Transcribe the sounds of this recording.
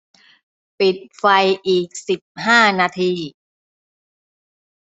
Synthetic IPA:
pi˨˩t̪̚fa˧jʔiː˨˩k̚si˨˩p̚ɦaː˥˩naː˧t̪ʰiː˧

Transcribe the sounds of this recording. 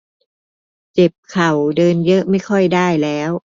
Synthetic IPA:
t͡ɕe˨˩p̚kʰa˨˩wdɤː˧njɤ˦˥ʔma˥˩jkʰɔ˥˩jdaː˥˩jlɛː˦˥w

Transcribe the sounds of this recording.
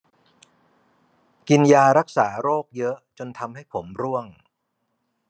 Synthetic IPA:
ki˧njaː˧ɾa˦˥k̚saː˩˦ɾoː˥˩k̚jɤ˦˥ʔt͡ɕo˧nt̪ʰa˧mha˥˩jpʰo˩˦mɾu˥˩əŋ

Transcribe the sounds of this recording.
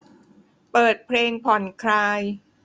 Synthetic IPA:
pɤː˨˩t̪̚pʰleː˧ŋpʰɔ˨˩nkʰɾaː˧j

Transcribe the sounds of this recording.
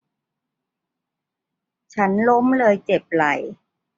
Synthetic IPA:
t͡ɕʰa˦˥nlo˦˥mlɤː˧jt͡ɕe˨˩p̚la˨˩j

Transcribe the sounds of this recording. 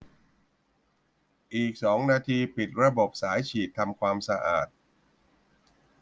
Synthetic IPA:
ʔiː˨˩k̚sɔː˩˦ŋnaː˧t̪ʰiː˧pi˨˩t̪̚ɾa˧bo˨˩p̚saː˩˦jt͡ɕʰiː˨˩t̪ʰːa˧mkʰwaː˧msa˧ʔa̰ː˨˩t̪̚

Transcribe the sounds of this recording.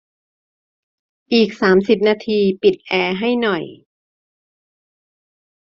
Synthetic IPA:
ʔiː˨˩k̚saː˩˦msi˨˩p̚naː˧t̪ʰiː˧pi˨˩t̪̚ʔɛː˧ɦa˥˩jnɔ˨˩j

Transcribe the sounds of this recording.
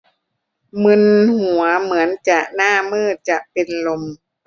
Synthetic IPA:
mɯ˧nhu˨˩˦ɐmɯ˩˦ənt͡ɕa˨˩ʔnaː˥˩mɯː˥˩t̪̚t͡ɕa˨˩ʔpe˧nlo˧m

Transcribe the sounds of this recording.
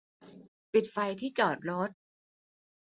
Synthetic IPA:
pi˨˩t̪̚fa˧jt̪ʰiː˥˩t͡ɕɔː˨˩t̪̚ɾo˦˥t̪̚

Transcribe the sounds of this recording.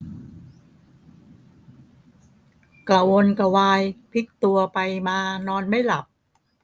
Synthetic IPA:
kla˨˩wo˧nka˧waː˧jpʰi˦˥k̚t̪u˧ɐpa˧jmaː˧nɔː˧nma˥˩jla˨˩p̚

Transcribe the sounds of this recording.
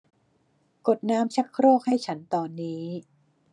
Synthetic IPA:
ko˨˩t̪̚naː˦˥mt͡ɕʰa˦˥kʰɾoː˥˩k̚ha˥˩jt͡ɕʰa˦˥nt̪ɔː˧nːiː˦˥

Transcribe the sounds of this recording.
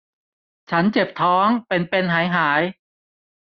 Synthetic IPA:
t͡ɕʰa˦˥nt͡ɕe˨˩p̚t̪ʰɔː˦˥ŋpe˧npe˧nɦaː˩˦jɦaː˩˦j

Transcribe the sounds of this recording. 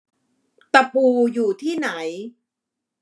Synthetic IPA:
t̪a˧pʰuː˧juː˨˩t̪ʰiː˥˩na˩˦j

